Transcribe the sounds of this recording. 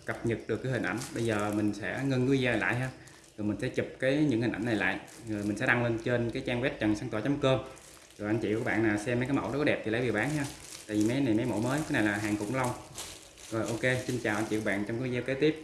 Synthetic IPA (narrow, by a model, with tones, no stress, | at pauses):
kə˨˩p̚ɲɨ˨˩t̚ɗɨ˨˩kːaː˨˦hi˨˩nʔjŋ̟ɓə˧jzəː˨˩mï˨˩ŋ̟sɛ̰˧˥ŋə˧nkzɛː˧na˨˩la̰ː˧˨jɦaː˧ | zo˨˩mï˨˩ŋ̟sɛ̰˧˥t͡ɕu˨˩p̚kaː˨˦jɲɨ̰˧˥ŋhi˨˩nʔa˧˩jna˨˩la̰ː˧˨jzo˨˩jmi˨˩ŋ̟sɛ̰˧˥ɗa˧ŋle˧nt͡ɕe˧nkaː˨˦jt͡ɕaː˧mwɛ˦˥p̚t͡ɕə˨˩ŋsaː˧˦t̪wːt͡ɕa˨˦mkəː˧m | zo˨˩ʔa˧nt͡ɕḭ˧˨ku˧˩ɓa̰ː˧˨nːaː˨˩sɛ˧ma˨˦kaː˨˦mə̰˧˩wɔ˨˦kɔ˨˦˥ɗɛ˨˩p̪̚ʰi˨˩lə˨˦vi˨˩wɓaː˨˦nɦaː˧t̪a̰ː˧˨jvi˨˩mɛ˨˦jna˨˩jmɛ˨˦jmo̰˧˥˦məː˨˦jkaː˨˦jna˨˩jlaː˨˩ɦaː˨˩ŋkʊ̰˧˥ŋ͡mla˧wŋ͡m | zo˨˩jʔo˧ke˧sï˧ŋ̟t͡ɕaː˨˩wʔnt͡ɕḭ˧˨ku˧˩ɓa̰ː˧˨nt͡ɕɔ˧ŋ͡mkːzɛː˧wke˨˦˥t̪i˦˥əp̚